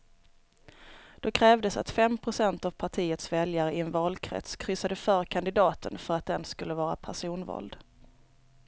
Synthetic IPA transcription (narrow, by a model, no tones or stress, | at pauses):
d̪̥ɔkʰɾɛːvd̪əsa̰t̪fɛmpʰɾʊsɛnt̪avpʰaʈʰiːət̪svɛljaɾəɪɛnvɑːlkʰɾɛ̰t̪skʰɾʏsad̪əfœːɾkʰand̪ɪd̪ɑːt̪ʰənfœɾat̪̚d̪ɛnskɵlːəvɑːɾa̰pʰæʂuːnvɑ̰ːld̪